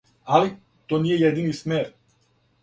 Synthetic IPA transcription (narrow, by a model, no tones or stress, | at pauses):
ali | t̪oniejad̪inismɛɾ